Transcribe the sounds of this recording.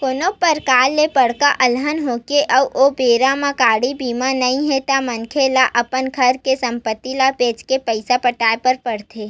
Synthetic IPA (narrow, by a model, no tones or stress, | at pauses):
konopəɾkaːlːepəɽkaʔɐlɦənɦokeʔəʋʔobeːɾãmãkaːɽibiːmãnɐɦĩɦɛt̪amɐnkʰelaʔɐpənkʰɐɾkesɐ̃mpət̪ːilapeːd͡ʒkepəɪsapəʈaːepəɾpɐɽt̪ʰeː